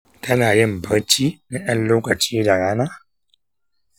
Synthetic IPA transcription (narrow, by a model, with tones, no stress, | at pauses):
tɐ˦naː˨jɪ˦mbɐ˦ɾt͡ʃiː˦na˦j̰ɐ˦nloː˦kɐ˨t͡ʃiː˦da˨ɽaː˦naː˦